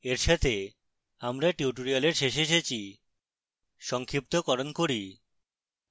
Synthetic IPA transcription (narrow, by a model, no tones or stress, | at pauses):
eɾʃat̪ʰe | amɾaʈiuʈ̬oɾialeɾʃeʃeʃet͡ɕʰi | ʃɔŋkʰɾip̚t̪okɔɾonkoɾi